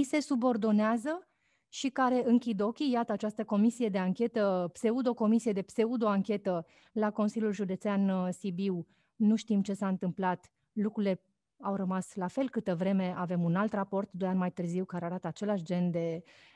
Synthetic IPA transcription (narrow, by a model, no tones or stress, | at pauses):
ise̞subo̞rd̪o̞neazə | ʃikaɾe̞ʔɨŋkʲid̪o̞kʲijat̪əat͡ʃast̪əko̞misije̞d̪e̞aŋkʲe̞t̪əpse̞ud̪o̞ko̞misije̞d̪e̞pse̞ud̪o̞aŋkʲe̞t̪ə | lako̞nsiljulʒud̪e̞t̪seansibiw | nuʃt̪imt͡ʃe̞saɨnt̪ɨmplat̪ | lukɾule̞ | awɾəmaslafe̞lkɨt̪əvɾe̞me̞ave̞munalt̪rapo̞rt̪d̪o̞janmajt̪ɨrziwkaɾeaɾat̪əat͡ʃe̞laʃd͡ʒe̞nd̪e̞